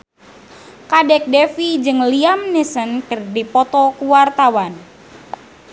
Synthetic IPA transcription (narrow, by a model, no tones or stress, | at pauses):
kadɛk̚dɛfid͡ʒɨŋliamnisənkɨrdipɔt̪ɔkuwart̪awan